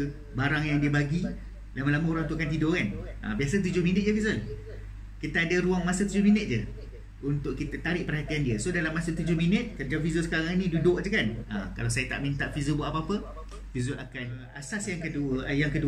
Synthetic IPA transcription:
baɾaŋjaŋdiəbaɡi | lamalamaoɾaŋut̪uakant̪idʊkanə̰bias̬at̪ud͡ʒʊhminət̪̚d͡ʒəfizəl | kit̪aadəɾuaŋmasət̪ud͡ʒʊhminət̪̚d͡ʒə | unt̪ʊʔkːit̪at̪aɾɪʔpərhat̪iandiəsodalamːasət̪ud͡ʒʊhminət̪̚kərd͡ʒaŋfizosəkaɾaŋinĩdudʊʔd͡ʒəkana̰ka̰laws̬ajət̪a̰ʔmĩnt̪aʔfizobaʔapaapə | fizualakan | asasjaŋkəujaŋkədu

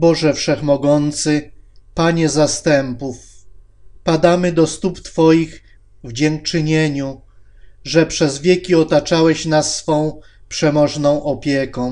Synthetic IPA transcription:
bɔʐɛfʂɛxmɔɡɔnt̪sɘpaɲɛzast̪ɛmpuf | pad̪amɘd̪ɔst̪upt̪fɔjix | vd͡ʑɛŋk̚t͡ʂɘɲeɲu | ʐɛpʂɛzvʲjekʲiɔt̪at͡ʂawɛɕnasːfɔ̃w̃pʂɛmɔʐnɔ̃w̃ʔɔpʲjekɔ̃w̃

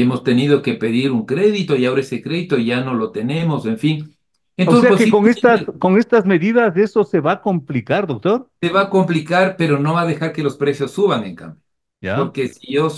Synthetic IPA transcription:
emo̞st̪e̞niðo̞ke̞pe̞ðiɾuŋkɾe̞ðit̪o̞iao̞ɾaesekɾe̞ðit̪o̞iʝano̞lo̞t̪e̞ne̞mo̞se̞ɱfin | enooseakekoŋest̪asko̞ŋe̞st̪azme̞ðiðazðe̞so̞se̞βako̞mplikaɾðok̚t̪o̞ɾse̞βako̞mplikaɾpe̞ɾo̞no̞βaðe̞xaɾke̞lo̞spɾe̞sjo̞sːuβaŋe̞̰ŋka̰mbjo | jaoɾke̞siʝo̞s

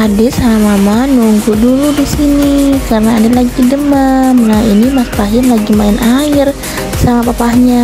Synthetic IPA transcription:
adɪsamamanuŋɡuduludisinikarənaːdalaɡidəmamnainimaspaɦɪmlaɡimaɪnʔaɪr | samapapahɲa

